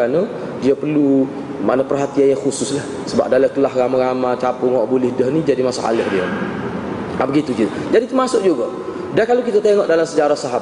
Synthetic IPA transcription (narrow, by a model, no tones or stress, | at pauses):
anə | diapərlu | manapərɦat̪ianjaŋxusʊslah | səba̰p̚dalək̪əlaɦramaɾamat͡ʃapʊŋɔʔbulɪhdəhnid͡ʒadimasaʔa̰ləhdia̰ | abəɡit̪ukit̪a | d͡ʒadit̪umasʊk̚d͡ʒuɡa | dakalowkit̪at̪eŋɔʔdalamsəd͡ʒaɾahsaɦap